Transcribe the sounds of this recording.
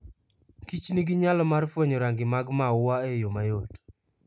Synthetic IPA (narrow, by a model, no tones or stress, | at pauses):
kit͡ʃniɡɪɲalɔmarfwoɲɔɾaŋɡɪmaɡmawaejomajot